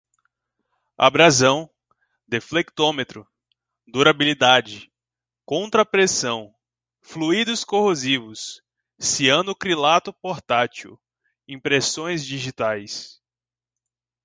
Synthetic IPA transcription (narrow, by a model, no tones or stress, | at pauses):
a̰bɾazɐ̃w̃ | d̪eflek̚t̪õmet̪ɾʊ | d̪uɾabilid̪ad͡ʒɪ | kõnt̪ɾɐpɾesɐ̃w̃ | fluid̪ʊskohozivʊsː | iɐ̃nʊkɾilat̪ʊpoɾt̪at͡ʃiʊ | ĩpɾesõj̃zd͡ʒiʒit̪ajs